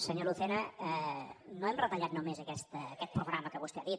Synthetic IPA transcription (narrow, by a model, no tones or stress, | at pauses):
səɲoluθɛnəənoɛmrət̪əʎat̪numezəkɛst̪əːkɛt̪̚pɾuɣɾaməkəβust̪eaðit̪